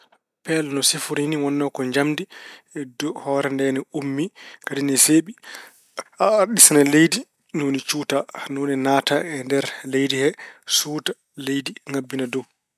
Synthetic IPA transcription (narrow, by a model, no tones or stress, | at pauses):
pɛlnɔsifuɾiniwɔnːɔkɔɲd͡ʒamdidɔhɔːɾɛndɛnɛumːikadinɛseːɓi | aɗisanalejdi | nonit͡ʃuːtanonɛnaːtaɛndɛɾlejdihɛsuːta | lejdiŋabːinadɔw